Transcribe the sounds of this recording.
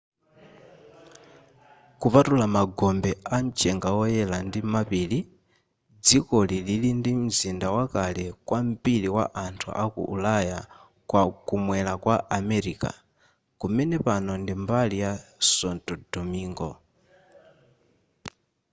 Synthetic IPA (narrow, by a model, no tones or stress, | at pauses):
kupatulamaɡɔmbɛan̩t͡ʃʼɛŋɡaɔjɛlandimapiːli | d͡zikɔlililindim̩zindawakalɛkwam̩piliwa̰ʔantʰṵʔakṵʔṵlaja | kwakumwɛlakwaʔamɛɾiːka̰ | kumɛnɛpanɔndimbalijasɔntʼɔdɔmiːŋɡɔ